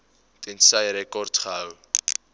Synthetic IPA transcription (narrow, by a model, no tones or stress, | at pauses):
tɛnsɐjɾɛkɔrtχəɦəw